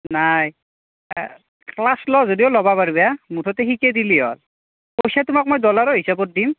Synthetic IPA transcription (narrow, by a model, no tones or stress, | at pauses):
naj | klaslɔzodiʊlɔbapaɹbɛjamutʰɔtɛxikɛdiliɦɔ̰l | pojsatʊmak̚mojdɔlaɹɔɦisabɔt̚dim